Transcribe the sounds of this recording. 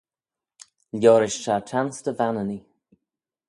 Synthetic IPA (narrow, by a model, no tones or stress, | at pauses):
ljɔːɾɪʃʃatʰansd̪əvanəni